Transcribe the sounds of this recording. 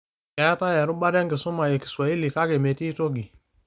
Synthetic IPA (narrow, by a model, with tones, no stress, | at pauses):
ka˨˦a˦ta˦jɛ˨ɾʊ˦ɓa˦ɾɛ˦ŋɡe˨sʊ˦ma˨je˨ki̥˨swa˨i˦li˨ka˦ke˨me˨ti˦to˦ɡi˨